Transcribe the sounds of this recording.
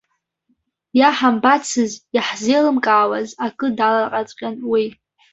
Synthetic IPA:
jaħambat͡sʰɨzaħzelɨmkʼaːwazakʼɨdalaqʼat͡sʼqʲʼanwi

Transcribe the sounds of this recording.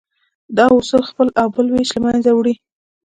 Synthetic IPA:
d̪ɑʊsulxpəlɑbəlweʃləmanzawɽi

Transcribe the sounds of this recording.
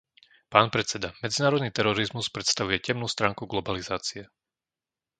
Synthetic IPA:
paːnpɾɛt̪t͡sːɛd̪amɛd͡zinaːɾɔd̪niːt̪ɛɾɔɾizmuspɾɛt̪st̪aʋujɛcɛmnuːst̪ɾaːŋkuɡlɔbalizaːt͡siɛ

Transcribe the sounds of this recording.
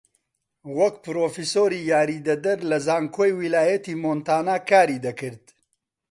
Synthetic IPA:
wɐkpɨɾoːfisoːɾiːjaːɾiːd̪ɐd̪ɐɾlɐzaːŋkʰoːjwilaːjɐt̪iːmoːnt̪aːnaːkaːɾiːd̪ɐkɨɾd̪

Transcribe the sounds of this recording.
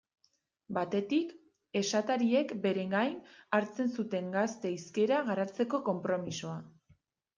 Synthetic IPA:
bat̪e̞t̪ik | e̞sat̪aɾie̞kbe̞ɾe̞ŋɡajnaɾt͡se̞nsut̪e̞ŋɡast̪e̞iske̞ɾaɣaɾat͡se̞ko̞ko̞mpɾo̞miso̞a

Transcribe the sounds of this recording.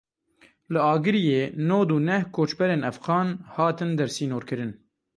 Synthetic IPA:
lɨɑːɡɨɾijeːnoːd̪uːnɛhkʰoːt͡ʃbɛɾeːnɛfɣɑːnhɑːt̪ɨnd̪ɛɾsiːnoːɾkɨɾɨn

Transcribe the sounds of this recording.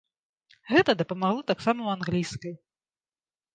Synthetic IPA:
ɣɛt̪ɐd̪ɐpɐmaɣlˠɔt̪aksamɐwanɣlʲijskɐj

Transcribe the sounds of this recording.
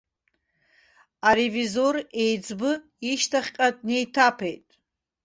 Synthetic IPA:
aɾevizore̞jd͡zbɨ | iʃtʰaχʲqʼadʼne̞jtʰapʰe̞jtʼ

